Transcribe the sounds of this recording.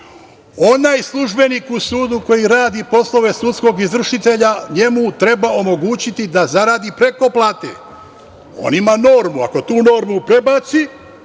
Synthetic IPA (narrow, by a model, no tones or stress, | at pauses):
o̞najslˠuʒbe̞nikusuːd̪uko̞jiɾaːd̪ipo̞slˠo̞ʋe̞sut̪sko̞ɡizʋr̩ʃit̪e̞ʎaɲe̞mut̪ɾe̞bao̞mo̞ɡuːt͡ɕit̪id̪azaɾaːd̪ipɾe̞ko̞plˠaːt̪e | o̰nimano̞ːɾmua̰ko̞t̪uːno̞ːɾmupɾe̞baːt̪si